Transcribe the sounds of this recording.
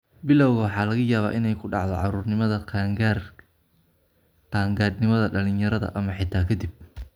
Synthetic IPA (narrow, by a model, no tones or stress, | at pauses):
bɪlɐwɣɐwɑħɑːlɐɣɐjaːβa̰ːʔɪnɛjkʰʊɖɑʕd̪ɔʕɑɾuːrnɪmɐðɐ | qaːŋɡaːd̪nɪmɐðɐɖɐlɪnjɐɾɐðɐ̰ʔɐmɐħɪt̪ʰaːkʰɐd̪ɪb̚